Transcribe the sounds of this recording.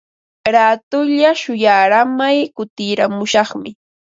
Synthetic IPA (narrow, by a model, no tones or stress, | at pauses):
ɾaːt̪ʊʎaʃʊjaɾamajkʊt̪ɪɾamʊʃɑχmɪ